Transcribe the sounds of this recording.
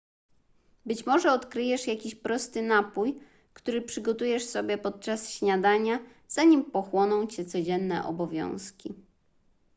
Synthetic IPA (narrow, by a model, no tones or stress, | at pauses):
bɘt͡ɕmɔʐɛɔt̪kɾɘjɛʂjakʲiɕpɾɔst̪ɘnapuj | kt̪uɾɘpʂɘɡɔt̪ujɛʂsɔbʲjɛpɔt̪̚t͡ʂasɕɲad̪aɲa | z̥aɲimpɔxwɔnɔ̃w̃t͡ɕɛt̪sɔd͡ʑɛnːɛ̰ʔɔ̰bɔvʲjɔ̰̃w̃skʲi